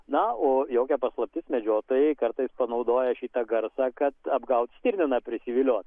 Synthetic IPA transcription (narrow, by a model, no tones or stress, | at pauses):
nɐoːjoːkʲɛpɐslˠɐp̚ʲt̪ʲɪsmʲɛd͡ʒʲoːt̪oːjɛɪkɐɾt̪ɐɪspɐnɐʊd̪oːjɛʃʲiːt̪ɐɡɐɾsɑːkɐt̪ɐbɡɐʊt̪sʲt̪ʲɪɾʲnʲɪnɐpʲɾʲɪsʲɪʋʲɪlʲoːt̪